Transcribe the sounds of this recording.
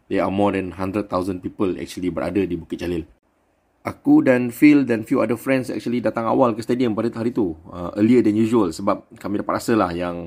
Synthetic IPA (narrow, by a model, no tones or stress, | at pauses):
dea̰mɔdɛ̃nɦãndɾət̪̚t̪ːawzə̃npipəlɛ̰k̚t͡ʃuəlibəɾʔa̰dədibukət̪̚t͡ʃalɪl | ʔakudãnfildɛnfjuadəfɾɛ̃nsɛ̰k̚t͡ʃuəlidat̪aŋa̰walkəst̪ediəmpadət̪ɦaɾit̪uəʔə̰liədɛ̃njuʒuəlsəbap̚kamĩdapaɾasəlahjaŋ